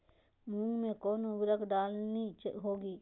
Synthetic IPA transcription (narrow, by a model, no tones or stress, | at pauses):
mũːmẽkoːnʊɡɾəkɖaːlnit͡ʃɦoːɡiː